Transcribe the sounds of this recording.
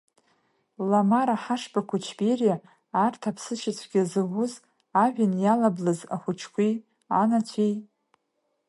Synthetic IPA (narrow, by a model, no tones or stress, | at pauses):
lamaɾaħaʂbakʷʰat͡ʃʰberijaː | rtʰapʰsɨʃɪt͡ɕʷʰɡ̥ʲazɨʁʷʊz | aʒᶣʷanjalablɨza̰χʷʊt͡ʃʰkʷi | anat͡ɕʷʰej